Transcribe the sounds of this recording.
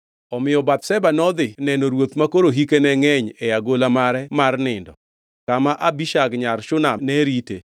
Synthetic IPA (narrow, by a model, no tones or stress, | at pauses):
ɔmɪjɔbat̪̚sɛbanɔd̪ɪnɛnoɾwot̪makoɾoɦikenɛŋɛɲɛjaɡolamaɾɛmarnɪndɔ̰ | kamaʔabiʃaɡɲaɾʃʊnanɛɾite